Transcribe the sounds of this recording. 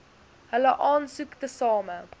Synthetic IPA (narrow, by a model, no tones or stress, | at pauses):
ɦələʔɑːnsuktəsɑːmə